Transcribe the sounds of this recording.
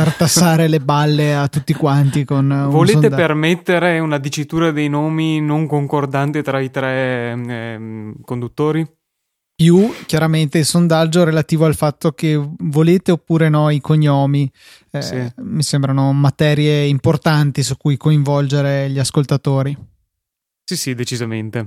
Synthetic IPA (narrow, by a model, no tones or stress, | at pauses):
fart̪asːaːɾelebalːeat̪ːut̪ːikwant̪ikonuvoleːst̪epermet̪ːeɾeunad̪it͡ʃːit̪uːɾad̪ejnoːminoŋkoŋkord̪ant̪et̪ɾait̪ɾɛ | kond̪ut̪ːoːɾi | pjuk̟jaɾament̪eilsond̪ad͡ʒːoɾelat̪iːvoalfat̪ːokevoleːt̪eopːuːɾenɔikoɲːɔːmi | ɛimisembɾanomat̪ɛːɾjeimport̪ant̪isukːujkoĩɱvɔld͡ʒeɾeʎiaskolt̪at̪oːɾi | sisid̪et͡ʃizamḛnt̪e